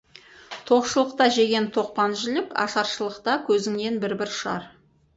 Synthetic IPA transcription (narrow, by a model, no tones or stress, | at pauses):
t̪ʰo̞qʃəlˠəq̚t̪ɑʒe̞ɡʲe̞nt̪ʰo̞q̚pɑnʒɪlɪkɑ̰ʃɑɾʃəlˠəqt̪ɑkʲʰɵzɪŋne̞nbɪɾbɪɾʃɑ̰ɾ